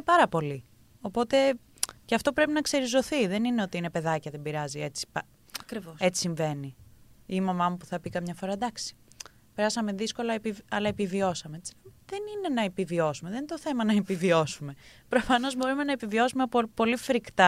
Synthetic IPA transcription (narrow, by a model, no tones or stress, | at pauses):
nepɐɾɐpo̞li | o̞po̞t̪e̞ | ceɐft̪o̞pɾe̞pinɐkse̞ɾizo̞θiðe̞nineo̞t̪iine̞pe̞ðɐcɐðe̞mbiɾɐzie̞t͡si̥pɐ | ɐkɾivoe̞t͡si̥siɱve̞niimɐmɐmupu̥θɐpikɐmɲɐfo̞ɾɐd̪ɐksi̥ | pe̞ɾɐsɐmeðisko̞lɐepiɐlɐepivio̞sɐmeet͡si̥ðenine̞nɐepivio̞sumeðenint̪oθe̞mɐnɐepivio̞sume̞pɾo̞fɐno̞zbo̞ɾume̞nɐepivio̞sumepopo̞lifɾikt̪ɐ